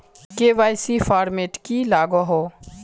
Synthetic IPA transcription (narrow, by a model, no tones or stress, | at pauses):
keːʋaːjsifaːɾmeːʈkilaːɡɔɦo